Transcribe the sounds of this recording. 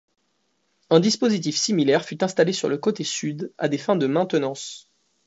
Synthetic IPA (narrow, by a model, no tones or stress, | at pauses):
ɛ̃d̪ispozit̪̬ifsimilɛʁfyt̪ɛ̃st̪alesyʁləkot̪esyd̪a̰d̪efɛ̃d̪əmɛ̃t̪ənɑ̃s